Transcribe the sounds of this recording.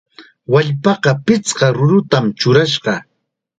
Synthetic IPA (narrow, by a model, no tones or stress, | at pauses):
waʎpɑqɑpɪt͡sqɑɾʊɾʊt̪amt͡ʃʊɾaʃɢɑ